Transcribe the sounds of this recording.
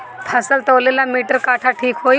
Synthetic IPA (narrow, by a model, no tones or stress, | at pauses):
t̪ʰəsəlt̪əʋlelamiːʈəɾkaʈʰaʈʰiːkɦo